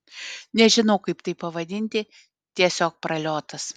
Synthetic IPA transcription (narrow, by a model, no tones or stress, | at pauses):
nʲɛʒʲɪnɐʊkɐɪpt̪ɐɪpɐʋɐd̪ʲɪnʲt̪ʲɪ | t̪ʲiɛsʲoːk̚pɾɐlʲoːt̪ɐs